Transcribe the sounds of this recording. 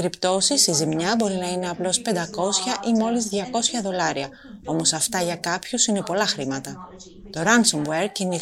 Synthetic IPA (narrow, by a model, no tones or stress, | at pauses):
ɾipt̪o̞sisizimɲɐbo̞ɾinɐine̞ɐplo̞spe̞nd̪ɐko̞sçɐʔimo̞lizðʝɐko̞sçɐðo̞lɐɾiɐ | o̞mo̞sɐft̪ɐʝɐkɐpçusine̞po̞lɐxɾimɐt̪ɐ | t̪o̞ɾɐnsomweɾcini